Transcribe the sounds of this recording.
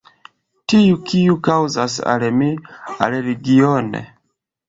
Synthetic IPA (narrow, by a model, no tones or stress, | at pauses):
tiukʰiukawza̰sa̰lmia̰leɾiɡionḛ